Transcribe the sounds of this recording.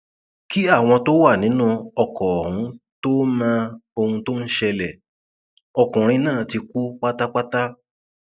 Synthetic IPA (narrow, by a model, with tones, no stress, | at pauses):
ki˦a˦˨w̃ɔ̃˧to˦wa˦˨nĩ˨˦nũ˦ɔ˧kɔ˨hũ˨˦to˦mã˦o˧hũ˧to˦n̩˦ʃɛ˧lɛ˨ | ɔ˧kũ˨ɾ̃ĩ˧nãː˦˨ti˧ku˦k͡pa˦ta˦k͡pa˦ta˦